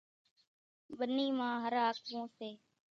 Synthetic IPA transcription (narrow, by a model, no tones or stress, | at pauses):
ɓəniːmãːɦəɾaːkʋõːseː